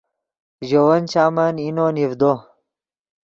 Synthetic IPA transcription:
ʑowɐnt͡ɕaːmɐninonivd̪o

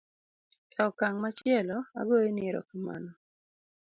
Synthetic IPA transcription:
ɔkaŋmat͡ʃɪɛlɔa̰ɡoenɪɾɔ̰kama̰nɔ

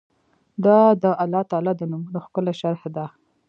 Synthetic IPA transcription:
d̪ɑd̪əʔalːɑt̪ɑlɑd̪ənumunoxkəlaʃaɾhd̪a

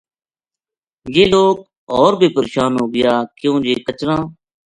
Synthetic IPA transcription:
jeːloːk̚ | ɔːɾbʱiːpəɾeːʃaːnɦoːɡɪjaːkjõːd͡ʒeːkət͡ʃɾãː

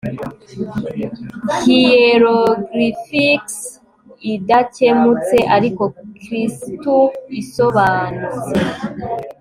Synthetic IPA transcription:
hijeɾoɡɾifiks | idace̞mut͡se̞ʔaɾiko̞kɾistuiso̞βaːnut͡se

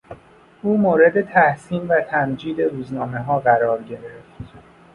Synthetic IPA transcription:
ʔuːmoːɾe̞d̪e̞t̪ʰæhsiːmvæt̪ʰæmd͡ʒiːd̪e̞ɾuːznɒːme̞ɦɒːɣæɾɒːɾɟe̞ɾeft̪

